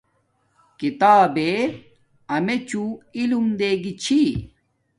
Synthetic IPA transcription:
kit̪aːbe | ɐmet͡ɕuilumd̪eːɡit͡ɕʰi

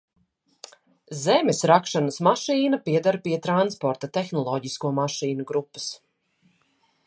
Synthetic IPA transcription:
zɛmesɾakʃanəsmaʃiːnapiɛd̪aɾpiɛt̪ɾanspɔɾt̪at̪ɛxnɔlˠɔɟiskuɔmaʃiːnuɡɾupːə̥s

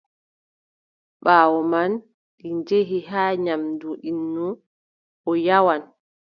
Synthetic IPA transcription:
ɓaːwɔman | ɗiɲd͡ʒeɦiɦaːɲamduʔinːu | ʔɔjawan

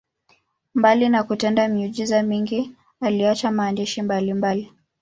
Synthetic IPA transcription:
mbalinakutɛndamiuʄizamiŋɡi | aliat͡ʃamaːndɛʃimbalimbali

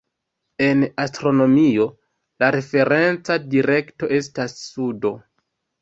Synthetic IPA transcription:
e̞nastɾo̞no̞mio̞ | laɾe̞fe̞ɾe̞nt͡sadiɾe̞kto̞ʔe̞stasːudo̞

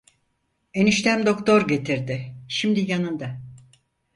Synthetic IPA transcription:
eniʃt̪ʰæmd̪o̞kt̪ʰo̞ɾɟe̞t̪ʰiɾd̪ɪʃimd̪ijanɯnd̪a

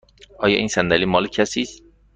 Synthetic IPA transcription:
ʔɒːjɒːʔiːnsænd̪æliːmɒːlecʰæsiːs

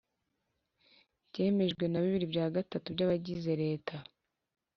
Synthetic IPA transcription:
ɟe̞ːme̞ʒɡwe̞naβiβiɾibɟaːɡatatubɟaβaɟize̞ɾe̞ːtʰa

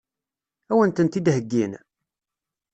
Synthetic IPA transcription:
æwənt̪ənt̪id̪həɡːin

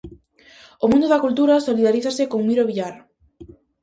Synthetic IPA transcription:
omũnd̪oðakult̪uɾasoliðaɾiθasɪkoŋmiɾoβiʎaɾ

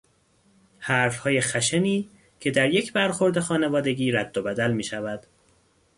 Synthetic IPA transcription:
hæːɾfhɒːje̞xæʃeniː | cʰe̞d̪æɾje̞cʰbæɾxo̞ɾd̪e̞xɒːne̞vɒːd̪e̞ɟiːɾæd̪̥ːobæd̪ælmiːʃævæd̪̥

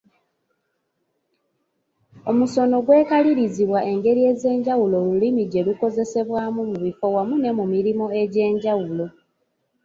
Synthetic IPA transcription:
omuso̞no̞ɡwe̞ːkaliɾiziβwae̞ŋɡe̞ɾie̞ːze̞ːɲɟawulo̞ːlulimiɟe̞luko̞ze̞se̞βwamumuβifo̞wamune̞mumiɾimo̞e̞ɟe̞ːɲɟawulo̞

